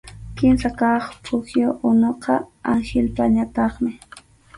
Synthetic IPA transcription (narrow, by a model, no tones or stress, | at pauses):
kɪmsakɑχpʰʊxjoʔʊnoqɑaŋʃɪlpaɲat̪ɑχmɪ